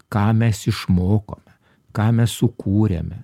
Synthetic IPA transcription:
kɑːmʲɛsɪʃmoːko̰ːmʲɛ | kɑːmʲɛssʊkʰuːɾʲḛmʲɛ

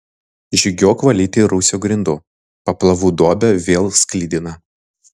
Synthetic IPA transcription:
ʒʲɪɡʲoːkʋɐlʲit̪ʲeːɾusʲoːɡɾʲɪnd̪ʊ | pɐplˠɐʋuːd̪oːbʲɛʋʲeːlˠsklʲiːd̪ʲɪnɐ

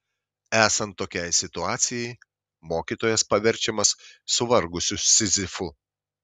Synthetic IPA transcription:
æːsɐnt̪ːoːkʲɛjsʲɪt̪ʊɑːt̪sʲɪjɛɪ | moːkʲiːt̪oːjɛspɐʋʲɛɾʲˑt͡ʃʲɛmɐsːʊʋɐɾɡʊsʲʊsʲɪzʲɪfʊ

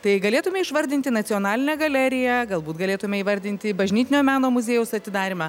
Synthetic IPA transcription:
t̪ɐɪɡɐlʲeːt̪ʊmʲɛɪʃʋɐɾʲd̪ʲɪnʲt̪ʲɪnɐt̪t͡s̪ʲɪjoːnɑːlʲɪnʲɛɡɐlʲæːɾʲɪjæɡɐlˠbuːt̪ɡɐlʲeːt̪ʊmʲɛiːʋɐɾʲd̪ʲɪnʲt̪ʲɪbɐʒʲnʲiːt̪ʲɪnʲoːmʲæːnoːmʊzʲeːjɛʊsɐt̪ʲɪd̪ɑːɾʲɪmɑ

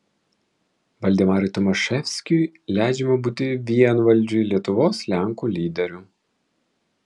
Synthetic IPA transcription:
ʋɐlʲd̪ʲɪmɑːɾɪt̪ɔmɔʃɛfʲsʲkʲujlʲæˑɪd͡ʒʲɛmɐbuːt̪ʲɪʋʲiɛnʋɐlʲˑd͡ʒʲuilʲiɛt̪ʊʋoːslʲæˑŋkulʲiːd̪ʲɛɾʲʊ

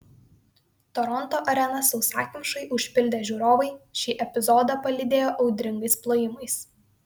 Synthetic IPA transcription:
t̪ɔɾɔnt̪oːʔɐɾʲɛnɐsɒʊsɑ̰ːkʲmʲɪʃɐɪʔʊʃʲpʲɪlʲd̪ʲeːʒʲuːɾoːʋɐɪʃʲiːʔɛpʲɪzɔːd̪ɐpɐlʲɪd̪ʲeːjoːʔɒʊd̪ʲɾʲɪŋɡɐɪsplˠoːjɪmɐɪs

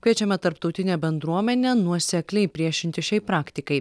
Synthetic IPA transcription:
kʋʲiɛt͡ʃʲɛmʲɛt̪ɐɾpt̪ɒʊt̪ʲɪnʲeːbʲɛnd̪ɾuɔmʲɛnʲeːnuɔsʲɛklʲɛɪpʲɾʲiɛʃʲɪnʲt̪ʲɪʃʲɛɪpɾɑːkt̪ʲɪkɐɪ

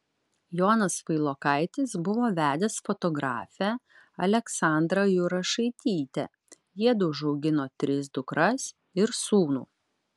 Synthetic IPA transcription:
joːnɐsʋɐɪlˠoːkɐɪt̪ʲɪsbʊʋoːʋʲæːd̪ʲɛsfɔt̪ɔɡɾɑːfʲæ | ɐlʲɛksɑˑnd̪ɾɐjʊɾɐʃɐɪt̪ʲiːt̪ʲɛ̰ | jiɛd̪ʊʒɐʊɡʲɪnoːt̪ʲɾʲɪs̬d̪ʊkɾɐs | ɪɾsuːnṵː

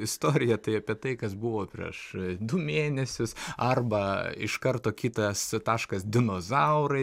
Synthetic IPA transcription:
ɪst̪oːɾʲɪjɛt̪ɐɪɐpʲiɛt̪ɐɪkɐsbʊʋoːpʲɾʲḭɛʃd̪ʊmʲeːnʲɛsʲʊsɐrbɐɪʃkɐrt̪oːkʲiːt̪ɐst̪ɑːʃkɐsd̪ʲɪnoːzɐʊɾɐɪ

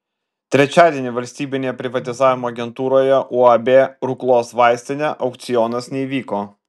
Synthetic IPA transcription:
t̪ʲɾʲɛt͡ʃʲaːd̪ʲiɛnʲɪʋɐlʲsʲt̪ʲiːbʲɪnʲeːjɛpʲɾʲɪʋɐt̪ʲɪzaːʋʲɪmoːɐɡʲɛnt̪uːɾoːjɛʔuːɐbʲeɾʊklˠoːsʋaɪsʲt̪ʲɪnʲɛʔɒʊkt̪sʲɪjɔːnɐsnʲɛiʋʲiːkoː

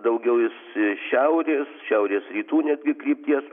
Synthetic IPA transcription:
d̪ɐʊɡʲɛʊjɪsʃʲɛʊɾʲeːsʃʲɛʊɾʲeːsrʲiːt̪uːnʲɛd̪ʲɡʲɪkɾʲiːp̚ʲt̪ʲiɛs

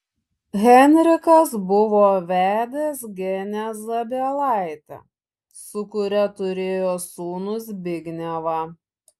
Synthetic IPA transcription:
ɣʲɛnʲɾʲɪkɐsbʊʋoːʋʲæːd̪ʲeːs̬ɡʲɛnʲɛzɐbʲelˠɑˑɪt̪ʲɛ̰ | sʊkʊɾʲɛt̪ʊɾʲeːjoːsuːnʊs̬bʲɪɡʲnʲɛʋɑ

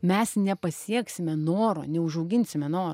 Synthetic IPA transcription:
mʲɛsnʲɛpɐsʲiɛksʲɪmʲɛnoːɾo̰ːnʲɛʊʒɐʊɡʲɪnʲsʲɪmʲɛnoːɾ

